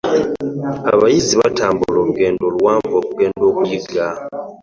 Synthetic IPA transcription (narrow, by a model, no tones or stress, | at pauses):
a̰βajiziβatʰaːmbulo̞ːluɡe̞ːndo̞ːluwaːmpo̞ːkuɡe̞ːndo̞ːkujiɡa